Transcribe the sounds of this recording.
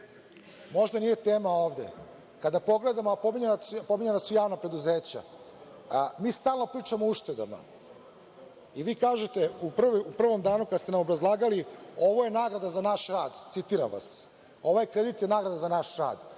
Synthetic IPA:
mo̞ʒd̪anije̞t̪e̞ːmao̞ːʋd̪e̞̰ | kad̪apo̞ɡle̞d̪amoapo̞miɲenaspo̞miɲe̞nasujaːʋnapɾe̞d̪uze̞ːt͡ɕa̰ | miːst̪aːlˠno̞pɾiːt͡ʂamouʃt̪e̞d̪a̰ma̰ | iʋiːkaːʒet̪e̞upr̩ʋupr̩ʋo̞md̪aːnukad̪st̪e̞namobɾazlˠaːɡalio̞ʋo̞je̞naːɡɾad̪azanaʃɾaːd̪t̪sit̪iːɾa̰mʋa̰s | o̞ʋojekɾed̪it̪jenaːɡɾad̪azanaʃɾa̰ːd̪

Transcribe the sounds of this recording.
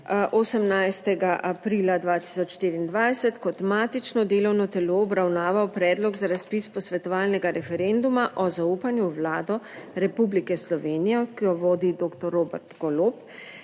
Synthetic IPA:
ʔosəmnajst̪ɛɡaʔapɾiːlad̪ʋaːt̪i̥sɔt͡ʃʃt̪iːɾiːnd̪ʋajsɛt̪kɔt̪maːt̪it͡ʃnɔd̪eːlɔwnɔt̪ɛloːɔbɾawnaːʋawpɾɛːd̪lɔɡzaɾaspispɔsʋɛt̪ɔʋaːlnɛɡaɾɛfɛɾend̪umaʔɔzauːpanjuʋlaːd̪ɔɾɛpublikɛslɔʋeːnijɔkijɔʋoːd̪id̪oːkt̪ɔɾːoːbɛɾt̪ɡɔloːp

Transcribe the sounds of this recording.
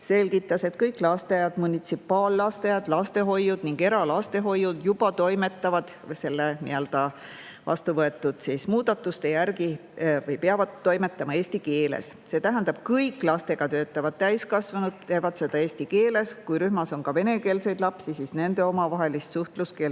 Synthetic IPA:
se̞lɡit̪ˑːɑse̞t̪kɤjkːˑlɑst̪eɑjɑd̪̥munʲit̪sipːˑɑːlːɑst̪ejɑd̪̥lɑst̪e̞ɦo̞jud̪̥niŋɡe̞ɾɑlɑst̪e̞ɦo̞jud̪̥jub̥ɑt̪o̞jme̞t̪ˑːɑvɑd̪̥ | se̞lːenḭøld̪̥ɑ | vɑ̰st̪uvɤe̞t̪ːˑud̪̥sismuːd̪̥ɑt̪ːˑust̪e̞jærɡivɯjpeɑvɑd̪̚ːo̞jme̞t̪ːˑɑmɑe̞ːsʲt̪ike̞ːlḛsse̞ːt̪æɦænd̪ɑb̥̚kɤjkːˑlɑst̪e̞ɡ̥ɑt̪ø̞ːt̪ːˑɑvɑd̪̥̚t̪æjskɑsvɑnud̪̥̚t̪e̞ːvɑd̪̥se̞d̪ɑe̞ːsʲt̪ikeːle̞skujɾyhmɑso̞nkɑve̞ne̞ke̞ːlse̞jd̪̥lɑpsisisne̞nd̪e̞o̞mɑvɑɦe̞list̪suht̪luske

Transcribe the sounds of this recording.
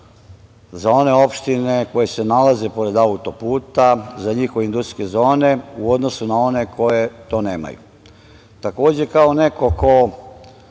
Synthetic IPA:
zao̞ne̞o̞pʃt̪ine̞ko̞jese̞nalaze̞po̞ɾe̞d̪aut̪o̞puːt̪azaɲixoʋeind̪usɾkezo̞ːneuo̞d̪no̞sunao̞ne̞kʰo̞je̞t̪o̞ːne̞ːma̰jṵ | t̪ako̞ːd͡ʑe̞kaoneko̞ko

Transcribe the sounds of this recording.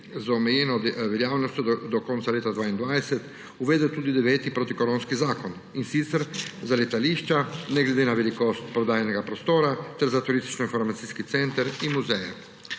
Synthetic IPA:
zaɔmɛjɛːnɔd̪ʋɛljaːwnɔst̪jɔd̪ɔkɔntsaleːt̪ad̪ʋaːind̪ʋajsɛt̪ | uʋeːd̪ɛwt̪uːd̪id̪ɛʋɛːt̪ipɾoːt̪ikɔɾõːnskizaːkɔn | insit̪səɾzalɛt̪aliːʃt͡ʃanɛɡlɛd̪eːnaʋɛlikost̪pɾɔd̪aːjɛnɛɡapɾɔst̪oːɾat̪ɛɾzat̪uɾist̪i̥t͡ʃnɔinfɔɾmat̪siːskit̪sɛnt̪əɾinmuzɛjɛ

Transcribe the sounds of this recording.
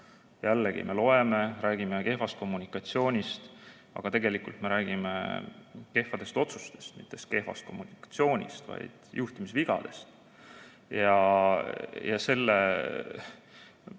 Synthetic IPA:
jælːeɡḭme̞lo̞e̞me̞ɾæːɡ̥imeke̞fɑst̪̚ko̞mːunikˑɑt̪sio̞ːnʲist̪ | ɑ̰ɡ̥ɑt̪e̞ɡe̞likːˑult̪me̞ɾæːɡ̥imḛke̞hfɑd̪e̞st̪o̞t̪sust̪e̞̥st̪mit̪ːˑe̞st̪ke̞hfɑ̰st̪ko̞mːunikɑ̥t̪sio̞ːnʲḭst̪vɑ̰jd̪̥juht̪imisviɡ̥ɑ̰d̪̥e̞̰st̪ | jɑ | jɑse̞lːe

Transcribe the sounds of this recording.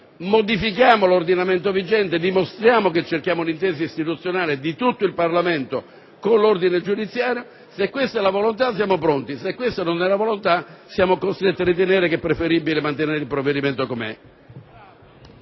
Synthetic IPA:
mod̪ifikjaːmolord̪inament̪ovid͡ʒɛnt̪ed̪imost̪ɾjaːmoket͡ʃːerkjaːmʊunint̪ɛːs̬aist̪it̪ut̪sːjonaːlɪd̪it̪ut̪ːoilparlament̪o | konlord̪ined͡ʒud̪it̪sːjaːɾjo | sekːwest̪ɛlavolont̪as̬jaːmopɾont̪isekːwest̪anonɛlavolont̪asjaːmokost̪ɾet̪ːiaɾit̪̬eneːɾekɛpːɾefeɾibːilemant̪eneːɾilpɾovːed̪iment̪okomɛ̰

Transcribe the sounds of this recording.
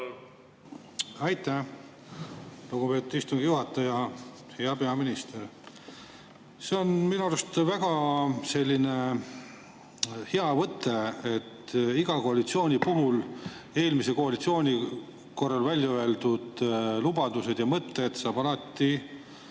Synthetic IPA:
ɑjt̪ːˑæ | luɡ̥upe̞ːt̪ːˑud̪̥ist̪uŋɡ̥ijuɦɑt̪ːˑɑjɑ | he̞ɑpe̞ɑminist̪e̞ɾ | se̞o̞nminuɑɾɑst̪væɡ̥ɑse̞lʲːine̞ | heɑvɤt̪ːˑe̞et̪ːiɡ̥ɑko̞ɑlit̪sio̞ːnʲipuɦule̞ːlmiseko̞ɑlit̪sio̞ːnʲi | ko̞rːɑlvælʲjɑøe̞ld̪ud̪̥lubɑd̪use̞d̪̥jɑmɤt̪ːe̞d̪̥sɑːbɑlɑt̪ːi

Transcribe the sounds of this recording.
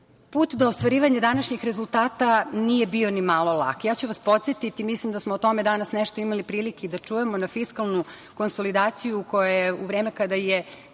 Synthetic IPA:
puːt̪d̪oːst̪ʋaɾiːʋaɲad̪anaʃɲixɾe̞zulˠt̪aːt̪anije̞bio̞nimalˠo̞lˠa̰kjaːt͡ɕuʋaspo̞t̪sjet̪it̪imislimd̪asmoːt̪o̞me̞d̪anasneʃt̪o̞imalipɾiːlikeid̪at͡ʃujemonafiskalˠnuko̞nso̞lid̪aːt̪sijuko̞jajeuʋɾe̞ːme̞kad̪aje

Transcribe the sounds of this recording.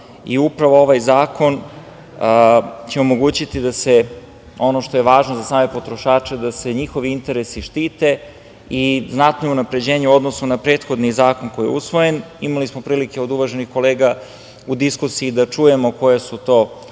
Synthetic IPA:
iupɾaʋoo̞ʋajzaːko̞n | t͡ɕeomo̞ɡuːt͡ɕit̪id̪ase̞ | o̞no̞ʃt̪o̞jeʋaːʒnozasaːme̞po̞t̪ɾo̞ʃaːt͡ʃe̞d̪ase̞ɲixo̞ʋiint̪e̞ɾesiʃt̪iːt̪e̞ | iznat̪nounapɾe̞d͡ʑe̞ːɲeuo̞d̪nosunapɾeːt̪xo̞d̪nizaːkonko̞jijeusʋo̞je̞nimalismo̞pɾiːlike̞o̞d̪uʋaʒe̞nixko̞leːɡa | ud̪iskusiiːd̪at͡ʂuje̞moko̞jesut̪o̞ː

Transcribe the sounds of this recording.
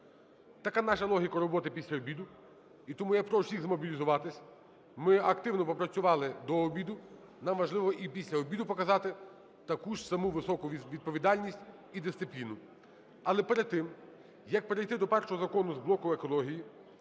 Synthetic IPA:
t̪ɐkanɑʃɐlˠɔɦʲikɐɾɔbɔt̪ɪpʲisʲlʲɐɔbʲid̪ʊ | it̪ɔmujɛpɾɔwsʲiɣzmɔbʲilʲizʊʋɑt̪ɪsʲ | mɪɐkt̪ɪwnɔpɔpɾɐt͡sʲʊʋɑlˠɪd̪ɔːbʲid̪ʊ | nɑmʋɐʒlˠɪʋɔʔipʲisʲlʲɐɔbʲid̪ʊpɔkɐzɑt̪ɪ | t̪ɐkuʃsɐmuʋɪsɔkʊʋʲid̪̚pɔʋʲid̪ɑlʲnʲisʲtʲ | id̪ɪsɪplʲinʊ | ɐlˠɛpeɾed̪̚t̪ɪm | jɐk̚peɾejt̪ɪd̪ɔpɛrʃɔɦɔzɐkɔnʊzblˠɔkʊekɔlˠɔɦʲiji

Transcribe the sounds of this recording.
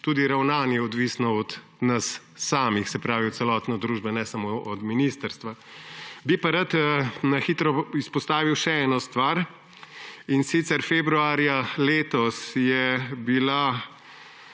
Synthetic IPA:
t̪uːd̪iɾawnaːnjɛɔd̪ʋisnɔɔd̪ | nɐsː | aːmixsɛpɾaːʋiɔt̪sɛlɔt̪nɔd̪ɾuːʒbɛnɛsamoɔd̪minist̪əɾst̪ʋa | bipaɾat̪ːnɐxit̪ɾɔispɔst̪aːʋiwʃɛɛːnɔst̪ʋaɾ | insit̪sɛɾfebɾuaːɾjaleːt̪ɔsjɛbila

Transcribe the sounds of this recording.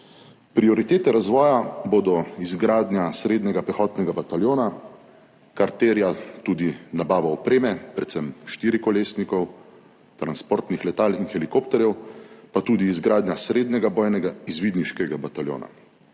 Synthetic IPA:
pɾiɔɾit̪eːt̪ɛɾazʋɔːjaboːd̪ɔizɡɾaːd̪njasɾeːd̪nɛɡapɾɛxɔːt̪nɛɡabat̪aljoːna | kaɾt̪eːɾjat̪uːd̪inabaːʋaɔpɾeːmɛpɾɛt̪sɛmʃt̪iːɾikɔleːsnikɔw | t̪ɾanspoɾt̪nixlɛt̪aːlinxɛlikopt̪ɛɾjɛwpat̪uːd̪iːzɡɾaːd̪njasɾeːd̪nɛɡabɔːjnɛɡaizʋiːd̪niʃkɛɡabat̪aljo̰ːna̰

